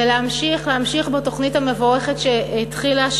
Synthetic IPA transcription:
eleamʃiχleamʃiχbeto̞χnithamevoʁe̞χetʃeitχilaʃ

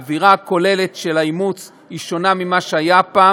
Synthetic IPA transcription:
viʁako̞le̞le̞tʃe̞laimut͡s | iʃo̞namimaʃeajapaː

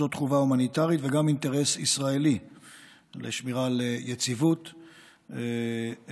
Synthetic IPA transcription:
otχuvaumanit̪aʁit̪veɡamint̪eʁe̞sisʁaeli | lḛʃmiʁalejet͡sivut̪

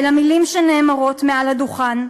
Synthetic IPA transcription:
lamilimʃeneːmaʁo̞t̪mealaduχan

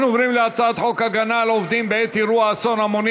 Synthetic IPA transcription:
novɾimleat͡saat̪χokhaɡanalovd̪imbeɛt̪iɾuaːsonamoni

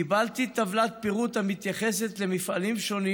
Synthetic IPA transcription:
ibalt̪it̪avlat̪̚piʁut̪hamit̪jaχeset̪le̞mifʔalimʃo̞ni

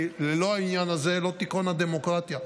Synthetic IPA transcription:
leloainjanazelo̞t̪ikonad̪emokʁat̪ja

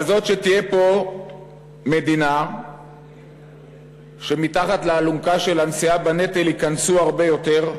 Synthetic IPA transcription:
azo̞t̪ʃe̞t̪ijepo̞ | me̞d̪ina | ʃe̞mit̪aχat̪laːlumkaʃe̞lansiabane̞t̪elikansuaʁbe̞jo̞t̪e̞ʁ

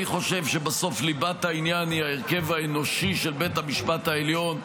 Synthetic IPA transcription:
iχo̞ʃe̞vʃe̞baso̞flibatainjaniaeʁke̞vaeno̞ʃiʃe̞lbe̞tamiʃpathaeljo̞n

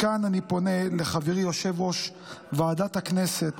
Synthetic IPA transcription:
kananipo̞ne̞leχaviʁjo̞ʃevo̞ʃ | vaːdat̪hakne̞se̞t̪

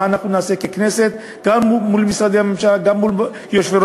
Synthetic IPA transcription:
anaχnunaaːse̞keknese̞t̪ | ɡamːulmisɾad̪ehamemʃalɡamːul | joʃveɾ

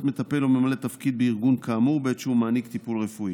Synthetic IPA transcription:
t̪me̞t̪ape̞lo̞memalet̪afkid̪̚beiʁɡunkaːmuʁbeet̪ʃeumaːnikt̪ipulʁe̞fui

